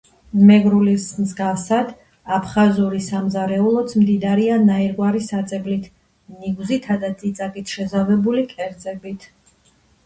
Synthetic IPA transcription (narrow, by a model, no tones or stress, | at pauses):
mɛɡɾulismzɡavsad̪ | apʰχazuɾisamzaɾɛulˠɔt̪smd̪id̪aɾianaiɾɡwaɾisat̪sʼɛblit̪ʰ | niɡzit̪ʰad̪ad̪zit̪sʼakʼit̪ʰʃɛzavɛbulikʼɛɾd̪zɛbit̪ʰ